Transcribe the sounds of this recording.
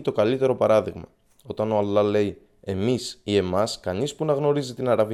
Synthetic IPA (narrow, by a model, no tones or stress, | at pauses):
t̪o̞kɐlit̪e̞ɾo̞pɐɾɐðiɣmɐ̰ | o̞t̪ɐno̞ɐlːɐle̞i | e̞misie̞mɐskɐnispunɐɣno̞ɾizit̪inɐɾɐvi